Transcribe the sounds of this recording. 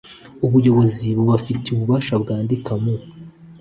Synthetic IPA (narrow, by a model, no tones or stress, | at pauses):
uβujo̞βo̞ziβuβafiteuβuβaʃabɡaːndikʰamo